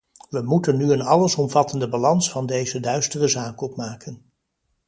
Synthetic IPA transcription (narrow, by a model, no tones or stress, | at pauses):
ʋəmutənːyənɑləsɔmvɑtəndəbalɑnsfɑndejzədœɥstərəzaːkɔpmaːkʰən